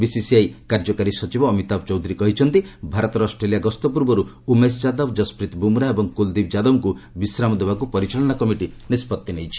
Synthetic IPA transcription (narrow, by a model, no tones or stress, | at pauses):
bisisiajkaɾd͡ʒɔkaɾisɔt͡ʃibɔːmit̪abt͡ʃɔwd̪ʱuɾikɔɦit͡ʃʰɔnt̪ibʱaɾɔt̪ɔɾɔsʈɾeliaɡɔst̪ɔpuɾbɔɾu | umest͡ʃad̪ɔbd͡ʒɔspɾit̪bumɾaebɔŋkuld̪ibd͡ʒad̪ɔmkubisɾamɔd̪ebakupɔɾit͡ʃaɭɔnakɔmiʈinispɔt̪ːinejt͡ʃʰi̥